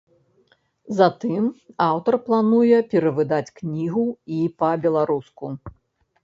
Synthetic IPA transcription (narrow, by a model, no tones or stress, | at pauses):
zat̪ɨmawt̪ɐrplˠanujɛpʲɛɾɐvɨd̪at͡sʲknʲiɣuipɐbʲɛlˠaɾusku